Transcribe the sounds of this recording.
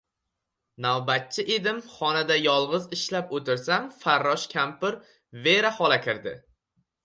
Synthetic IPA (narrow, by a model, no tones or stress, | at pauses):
nawbat̪̚t͡ʃʰɪʔed̪ɪmχɒnad̪ajɒlˠʁɨzɪʃlapot̪ʰɪɾsamfaɾːɒʃkʲʰampɪɾ | ve̞ɾahɒlakʲʰɪɾd̪ɪ